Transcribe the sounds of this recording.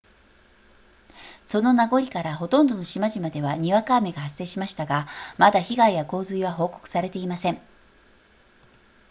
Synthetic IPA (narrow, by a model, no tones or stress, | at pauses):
so̞no̞naɡo̞ɾʲikaɾaɦo̞t̪õ̞nd̪o̞noɕimaʑimad̪e̞βaɲ̟iβakaːme̞ɡahasːe̞ːɕimaɕi̥t̪aɡamad̪açiɡaijako̞ːzɨiβaɦo̞ːko̞̥kɯ̥saɾe̞t̪e̞imasẽ̞ɴ